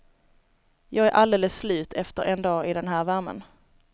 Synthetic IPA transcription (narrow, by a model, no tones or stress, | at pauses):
jɑːɡæɾʔald̪eːləsːlʉ̟ːt̪ʰɛft̪əɾʔɛnd̪ɑːɪd̪ɛnɦæːɾvæɾmə̰n